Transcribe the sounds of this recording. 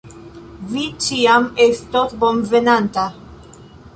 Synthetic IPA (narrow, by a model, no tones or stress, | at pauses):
vit͡ʃiamest̪ot̪boɱvenant̪a